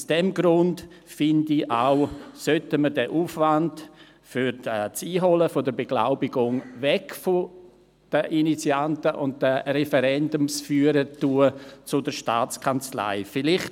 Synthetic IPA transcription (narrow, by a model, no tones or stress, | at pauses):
usd̥ɛmɡɾʊnt | fɪndiaʊsœtəmədɛʔuːfvand | fyɾt͡siːɦɔləfɔdəɾbeɡ̥la̰ʊbiɡʊŋvɛkfo | d̥əʔinit͡siantəʔʊnt̚dɛrɛfɛɾɛndʊmsfyːəɾətuːət͡sʊdəɾʃta̰ːt͡skʰant͡sla̰ɪfɪlɪχt